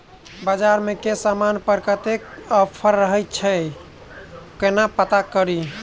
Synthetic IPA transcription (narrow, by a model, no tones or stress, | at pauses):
bad͡ʒaɾmekesamanpəɾkət̪ekəpʰəɾːəɦət͡ʃʰɛ | kənapət̪akəɾi